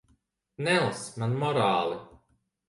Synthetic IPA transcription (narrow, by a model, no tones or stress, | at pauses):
nɛlˠsmanmɔɾaːlˠi